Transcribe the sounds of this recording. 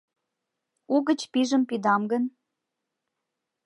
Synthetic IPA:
uɣə̆t͡ɕpiʒə̆mpid̪ɑmɡə̆n

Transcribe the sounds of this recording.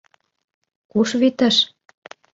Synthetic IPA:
kuʃβit̪ə̆ʃ

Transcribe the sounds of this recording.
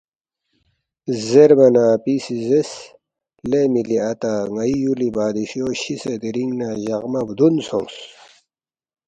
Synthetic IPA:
zeɾmɐnaːpisizes | lemiliɐt̪aŋɐijulibaːd̪iɕoɕised̪iɾiŋɡnaʑɐʁmɐbd̪unsõŋs

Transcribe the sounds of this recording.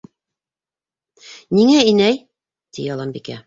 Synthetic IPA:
niŋæinæj | t̪ḭjɑlˠɑmbikæ̰

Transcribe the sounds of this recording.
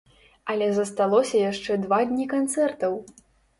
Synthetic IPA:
ɐlʲɛzɐst̪alˠɔsʲɐjaʂt͡ʂɛd̪vad̪ʲnʲikant̪sɛrt̪ɐw

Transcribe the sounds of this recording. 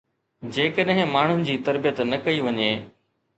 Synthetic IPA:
d͡ʑeːkəɗɦɪ̃maːɳ̤ʊnɪ̆d͡ʑiːt̪ɐɾbijət̪nɐkɐiʋɐɲeː

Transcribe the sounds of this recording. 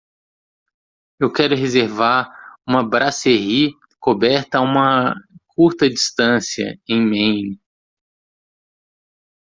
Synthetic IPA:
ewkɛɾʊɦezeɾvaɾũmɐbɾaseɦi | kobɛɾt̪ɐaũmɐkʰuɾt̪ɐd͡ʒist̪ɐ̃siɐ̰ẽj̃mẽjn

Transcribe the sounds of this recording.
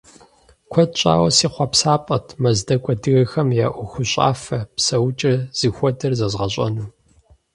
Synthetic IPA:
kʷʰɔdt͡ʃʼa̰ːwɐ̰siːχʷɑpsaːpʼɐtʰmɐzdɐkʷʼɔdɨɣɐxɐmja̰ːʔʷʊxʷʊɕʼa̰ːfɐpsɐwt͡ʃʼɐz̥ɨxʷɔdɐrzɐzʁɐɕʼɐ̰nuː

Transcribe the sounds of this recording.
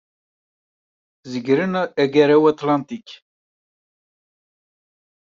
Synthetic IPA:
ziɡʲɾɨnaɛɡɛɾɛwat̪ʰlant̪ikʲ

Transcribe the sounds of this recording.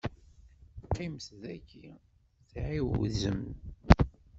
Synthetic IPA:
qimθðækːi | θʕiwzəm

